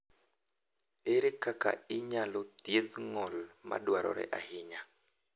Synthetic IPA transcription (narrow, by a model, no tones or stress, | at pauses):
eɾekaka̰ɪɲalɔt̪jeðŋɔlma̰dwaɾɔ̰ɾɛ̰ʔahɪɲa